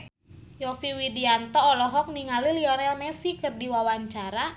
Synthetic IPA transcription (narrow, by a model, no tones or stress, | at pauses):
jɔfiwidiant̪ɔːlɔɦɔk̚niŋaliliɔnɛlmɛsikərdiwawaɲt͡ʃaɾa